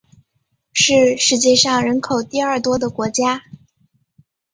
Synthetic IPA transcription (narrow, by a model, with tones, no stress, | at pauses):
ʂɻ̩˥˩˧ʂɻ̩˧˥t͡ɕjɛ˥˧ʂɑ˥˩ŋɻə˧˥nkʰo˨˩ʊt̪i˥˧ɐ˞˥˩t̪wɔ˥d̪ə˨kwɔ˧˥t͡ɕja˥